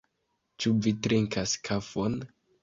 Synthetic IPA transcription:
t͡ʃuvitɾiŋkaskʰafon

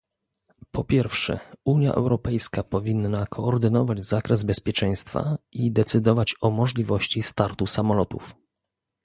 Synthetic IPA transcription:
pɔpʲjɛɾfʂɛ̰uɲja̰ʔɛ̰wɾɔpɛjskapɔvʲinːakʰɔːɾd̪ɘnɔvad͡ʑzakɾɛzbɛspʲjɛt͡ʂɛj̃st̪fa̰id̪ɛt̪sɘd̪ɔvat͡ɕɔmɔʐlʲivɔɕt͡ɕist̪aɾt̪usamɔlɔt̪uf

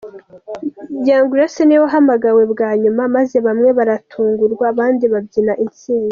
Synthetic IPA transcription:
jaːŋɡuɾaseniwoɦamaɡawe̞bɡaːɲumamaze̞βamŋe̞βaɾatʰuːŋɡuɾɡwaːβaːndiβabɟinaʔint͡siːŋɡa

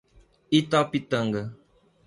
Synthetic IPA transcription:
itɔpitəŋɡə

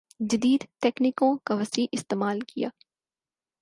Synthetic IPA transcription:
d͡ʒɐd̪iːd̪t̪ɛːknikõkaʋɐsiːlʔɪst̪eːmaːlkija̰ː

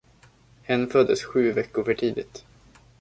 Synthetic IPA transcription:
hɛnːfœd̪ːəsɧʉ̟ːvɛkːʊɾfœʈʰiːd̪ɪt̪

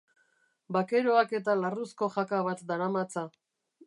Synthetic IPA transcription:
bake̞ɾoake̞t̪alarusko̞ʝakaβat̪d̪aɾamat͡sa

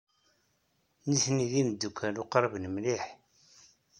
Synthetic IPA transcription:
niθniðinəd̪ːukʷʰːæluqɑɾˤbnəmliħ

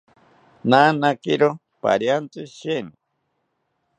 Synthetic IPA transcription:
nanakiɾo | pa̰ɾjant͡sɨʃeni

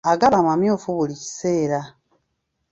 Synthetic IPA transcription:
aɡaβamamjoːfuβulici̥se̞ːɾa

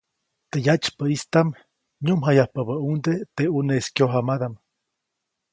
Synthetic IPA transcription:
t̪ejat͡ʃpəist̪am | ɲumɦajahpabaund̪et̪euneskjoɦamad̪am

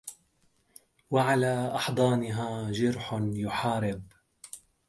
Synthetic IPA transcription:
waʕalaːʔɑħd̪ˤɑːnɪɦaːd͡ʒɑɾħʊnjʊħɑːɾɪb

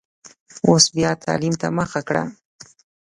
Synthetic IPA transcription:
osbjɑt̪ʰɑ̰limt̪aməxakɽa̰

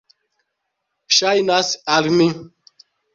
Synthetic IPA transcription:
ɕajnasalmi

